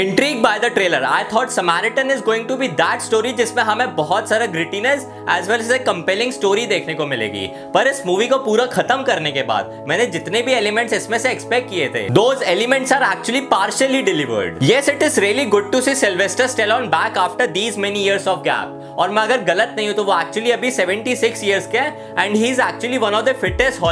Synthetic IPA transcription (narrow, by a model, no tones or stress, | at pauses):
ɪ̃ɳʈɾiːɡ̚baɪd̪əʈɾeːləɾa̰ːɪt̪ʰɔːʈsɐmæːɾɪʈə̃nɪzɡoːɪ̃ŋɡʈubid̪æʈsʈoːɾid͡ʒɪsmẽɦɐmẽbɔɦɔt̪saːɾaɡɾɪʈinəs | ɛːzʋɛlɛzekɐ̃mpɛlɪ̃ŋsʈoːɾid̪eːkʰnekomɪlḛːɡḭː | pɐɾɪsmuːʋikopuːɾaxʰɐt̪əmkɐɾnekeba̰ːd̪̚ | mɛ̃ːned͡ʒɪt̪nebʱieːlɪmɛ̃ɳʈsɪsmẽseːkspɛkʈ̚kiet̪ʰḛːd̪oːzeːlɪmɛ̃ɳʈsaːɾæːk̚t͡ʃʊəlipaːɾʃəliɖɪlɪʋə̰ɾɖjɛsɪʈɪzɾiːəliɡʊɖ̚ʈusisɛlʋesʈəɾsʈɛlɔ̃ːnbæːkaːfʈəɾd̪iːzmɛnijiəɾzɔːʋɡæ̰ːp̚ | ɔːɾmɛ̃ɐɡəɾɡɐlət̪nɐɦĩɦõt̪oʋoæːk̚t͡ʃʊuəliɐbʱisɛʋə̃ɳʈisɪksjiəɾzke | ɛ̃ɳɖɦiːɪzæːk̚t͡ʃʊəliʋɐ̃nɔːʋd̪əfɪʈesʈɦɔː